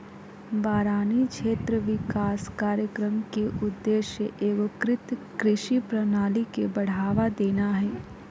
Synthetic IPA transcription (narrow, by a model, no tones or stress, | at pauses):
baːɾaːnikʃeːt̪ɾəʋɪkaːskaːɾjəkɾəmkeʔʊd̪ːeːʃjəʔeːɡokɾɪt̪ | kɾɪʃipɾɐnaːlikebɐɽ̤aːʋad̪eːnaɦɛː